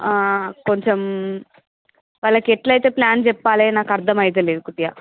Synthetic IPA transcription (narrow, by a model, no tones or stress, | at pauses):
ako̞ɲt͡ʃem | ʋaːɭːɐkɛʈlɐjt̪e̞ːplaːnd͡ʒɛpːaːleːnaːkɐɾd̪ʱɐmɐjt̪̬eleːd̪ukut̪ijaː